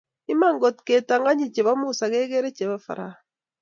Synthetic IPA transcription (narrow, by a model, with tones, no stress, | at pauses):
i˦ma˦˨ŋɡo˨tkeː˨ta˨ŋɡa˦ɲi˨t͡ʃe˨βa˦mu˦sa˨ke˦ɡe˦ɾe˦t͡ʃe˨βa˦fa̰˨ɾa˨